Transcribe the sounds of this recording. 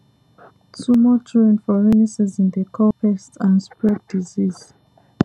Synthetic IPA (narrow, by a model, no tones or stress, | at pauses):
tumɔtʰɹẽnfɔɹenisɛzĩndəkʰɔpɛstãnspɹɛd̚diziz̥